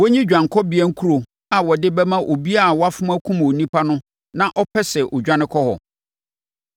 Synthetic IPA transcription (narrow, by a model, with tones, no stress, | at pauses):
wɔ˦ɲĩ˦d͡ʑᶣã˨ŋkʰɔ˦bɪ˨˦ɛ˦ŋ̩˦kʰu˦ɾo˨ | a˨wɔ˨dɪ˦bɛ˦mã˦ʔo˨bi˦a˦˨wɔ˦a˦fʊ̃˦ma˦kʰũ˦m˨o˨nĩ˦pʰa˦nʊ̃˦ | nã˦ʔɔ˦pʰɛ˦sɛ˨ʔɔ˨d͡ʑᶣã˦nɪ̃˦kʰɔ˦hɔ̰˨